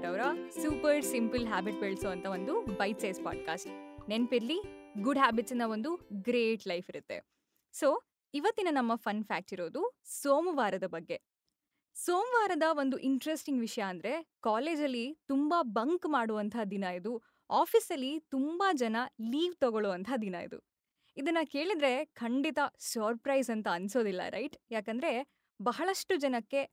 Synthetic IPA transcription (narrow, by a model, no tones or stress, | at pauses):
ɾɐʋɐɾɐsuːpɐɾsimpɨlɦaːbiʈ̚beːɭsɔːʋɐnt̪ʰɐʋo̞nd̪ubɐjʈsɐːspa̰ːɖ̚kaːsʈnenpiɾliɡuɖɦaːbiʈsind̪ɐo̞nd̪uɡɾeːʈlɐjpʰiɾut̪ːe̞̰ | so̞ː | iʋɐt̪ːinɐnɐmːɐpʰɐnpʰa̰ːk̚ʈiɾoːd̪usoːmʋaːɾɐd̪ɐbɐɡːe̞ | soːmʋaːɾɐd̪ɐʋo̞nd̪uʔiɳʈɾesʈiŋɡʋiʂɐjɐːnd̪ɐɾe̞kaːle̞ːd͡ʒɐlːit̪umbɐbɐŋkmaːɽuʋɐnt̪ʰaːd̪inɐjid̪u | aːpʰiːsɐlːit̪umbɐd͡ʒɐnɐliːʋt̪ɔɡɔɭuʋɐnt̪ʰaːd̪inɐjḭd̪ṵ | id̪ɐnːɐke̞ːɭid̪ɾe̞kʰɐɳɖit̪ɐsɐɾpɾɐjzɐnt̪ɐːnso̞ːd̪ilːɐ̰ɾɐ̰jʈjaːkɐnd̪ɾe̞ | bɐɦɐɭɐʂʈud͡ʒɐnɐkːe̞